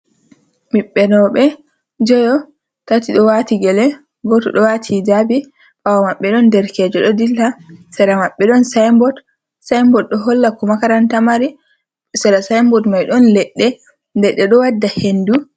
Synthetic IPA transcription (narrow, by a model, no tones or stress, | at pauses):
miɓːɛnɔɓɛ | d͡ʒɔjɔ | tatiɗɔwatiɡɛlɛ | ɡɔtɔɗɔwatʰid͡ʒabi | fawamaɓːɛɗɔndɛɾkɛːd͡ʒɔɗɔdilːasɛɾamaɓːɛɗɔnsajmbɔt | sajmbɔt̚ɗɔɦɔlːakɔmakaɾantamaɾi | sɛɾasajmbɔtmajɗɔnlɛɗːɛ | dɛɗːɛɗɔwadːahendu